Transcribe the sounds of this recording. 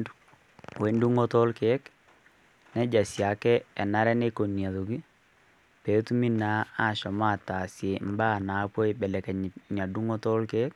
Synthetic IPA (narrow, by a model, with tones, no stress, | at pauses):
we˨ndu˦ŋo˦tɔ˦lkɛ˦k | nɛ˦d͡ʒa˨sja˨kɛ˦ɛ˨na˦ɾɛ˦ne˦ko˨nja˨ðo˨ki˦ | pe˨˦tu˦mi˦na˨˦a˦˨ʃɔ˨ma˦˨ta˨sje˨m˦ba˦˨na˨˦pɔ˦i˦bɛ˨lɛ˨kɛ˨ɲ˨ɲa˨du˦ŋɔ˦tɔ˦lkɛ˦k̚